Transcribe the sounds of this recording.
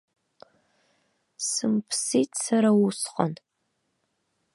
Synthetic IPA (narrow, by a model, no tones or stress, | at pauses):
sɨmpʰsiːtʰʼsaɾawusqʼa̰n